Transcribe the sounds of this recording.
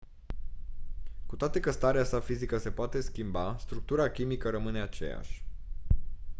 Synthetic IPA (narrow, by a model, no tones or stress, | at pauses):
kut̪oat̪e̞kəst̪aɾeasafizikəse̞poat̪e̞skʲimbast̪ɾuk̚t̪uɾakʲimikəɾəmɨne̞at͡ʃe̞̰ja̰ʃʲ